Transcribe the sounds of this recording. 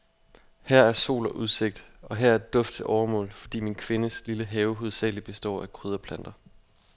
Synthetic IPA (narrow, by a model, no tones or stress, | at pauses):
hæɐ̰æɐso̝̰ːlɒ̽ʔuð̞ˠse̝ɡ̥̚d̥ʔɒ̽ɦæɐæɐd̥ɔ̽fd̥̚t͡sʰe̝lʔɒːɐmɔ̰̽ːlfɒ̽d̥ḭːminkʰʋe̝nəsliləɦɛːʊɦuðˠsɛ̰ːlib̥e̝sd̥ɒ̰ːækʰʁyð̞ˠɐpʰlæn̰d̥ɐ